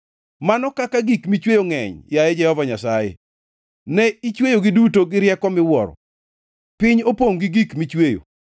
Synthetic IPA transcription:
manɔkakaɡikmit͡ʃwejoŋɛ̰ɲjaɛd͡ʒɛhɔvaɲasajḛ | nɛit͡ʃwejoɡɪdutoɡɪɾjɛkɔmɪwɔɾɔ̰ | pɪɲopoŋɡiɡikmit͡ʃwejo̰

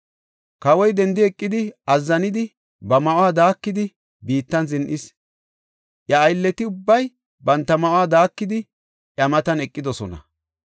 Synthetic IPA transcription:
kɐwɔjd̪ɛnd̪ɪɛkʼːɪd̪ɪɐzːɐnɪd̪ɪ | bɐmɐʔwaːd̪aːkːɪd̪ɪ | biːt̪ːɐnzɪnʔɪs | ʔjɐːjlːɛt̪ɪʊbːɐj | bɐnt̪ːɐmɐʔwaːd̪aːkːɪd̪ɪ | ʔjɐmɐt̪ɐnɛkʼːɪd̪ɔsɔnɐ̰

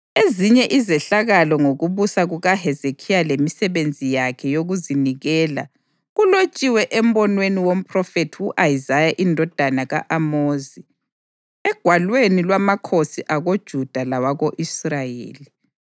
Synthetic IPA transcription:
eziɲɛʔizɛɬaɣalɔŋoɣuβusaɣuɣaɦɛzekʰijalemisɛβend͡zʱijakʰɛjoɣuziniɣɛːla̰ | ɣulot͡ʃʼiwɛʔɛm̩bɔnweniwom̩pʼrɔfetʰiwuʔajizajaʔindʱɔd̥ʱanaɣaʔamoːzi | ɛɡ̥ʱwalwenilwamakʰosiʔaɣod̥ʒ̥ʱud̥ʱalawaɣoʔisrajḛːli

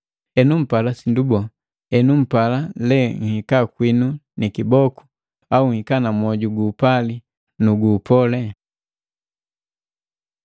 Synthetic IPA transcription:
ɛnum̩palasindubɔ | ɛnum̩palalɛŋ̩hikakwinunikibɔku̥ | auŋ̩hikanamɔɟuɡuːpali | nuɡuːpɔlɛ

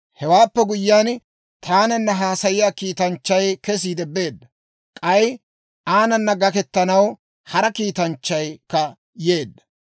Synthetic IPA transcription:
hɛwaːpːɛɡʊjːaːn | t̪ʰaːnɐnːɐɦaːsɐjɪjaːkiːt̪ɐnt͡ʃːɐjkɛs̬iːd̪ɛbe̞ːd̪ːɐ | kʼɐj | aːnɐnːɐɡɐkɛt̪ːɐnɐw | hɐɾɐkiːt̪ɐnt͡ʃːɐjkːɐ | je̞ːd̪ːɐ̥

